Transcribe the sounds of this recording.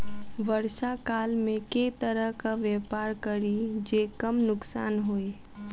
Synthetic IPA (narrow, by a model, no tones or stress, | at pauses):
ʋəɾʃakaːlmẽket̪əɾəɦkaʋjɛːpaːɾkəɾid͡ʒeːkəmnʊksa̰ːnɦoːi